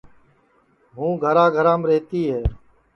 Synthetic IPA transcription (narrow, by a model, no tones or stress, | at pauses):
ɦũːɡʱəɾãːɡʱəɾãːmɾeːt̪iːɦeː